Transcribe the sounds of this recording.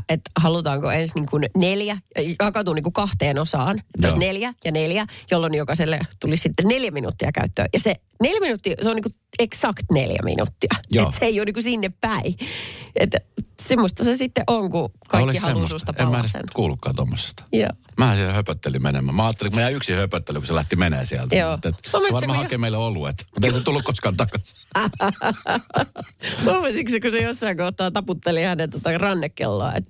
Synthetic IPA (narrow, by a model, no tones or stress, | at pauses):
et̪hɑlut̪ɑːŋkoensniŋkunneljæɑkɑt̪uːniŋkukɑht̪eːnosɑːnet̪ːlneljæjɑneljæjolːonːijokɑselːet̪ulissit̪ːenneljæminṵt̪ːiɑkæ̰yt̪ːø̰ːjɑse | neljæminut̪ːiːseoniːŋku | eksɑkt̪nḛljæ̰mḭnṵt̪ːiɑjeseeijuoːniːkusinːeppæi | ḛt̪semːost̪ɑsesit̪ːeʔoŋkukɑiolkːihɑusustt̪ɑemːænesḛnt̪kuːlukːɑ̰ːt̪o̰mːose̥st̪ɑ̥jo̰ːmæːhsihhøpøt̪ːelimenḛmæːmæɑːt̪ːeliŋkumæjæːyksihøpøt̪ːeliŋkuselæht̪imenḛːsiæ̰lt̪æjoːet̪omːesʋɑrmɑːhɑkemeilːeoluet̪mut̪eiset̪ulːukkoskɑnt̪ɑkɑsi̥ | omːesiksikusejosːɑiŋkoht̪ːˑɑːt̪ɑput̪ːelihænːet̪ot̪ɑrɑnːekːḛlːo̰ɑ̰ḛt̪